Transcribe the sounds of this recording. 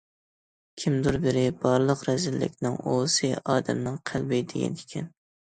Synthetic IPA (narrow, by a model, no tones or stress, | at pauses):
kʲʰimd̪uɾbɪɾɪbɑɾlˠəqɾɛzɪlːɪ̰kʲnɪŋosɨʔɑːd̪ɛ̰mnɪŋqʰælˠbɪd̪eɡʲɛ̰nɪkʲʰɛn